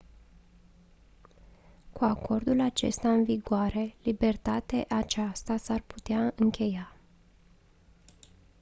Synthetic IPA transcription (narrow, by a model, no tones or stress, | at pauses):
kuakʰo̞rd̪ulat͡ʃe̞̰st̪aɨnviɡoaɾe̞libe̞rt̪at̪eʔat͡ʃast̪asarpu̥t̪eaɨŋkʲʰe̞ja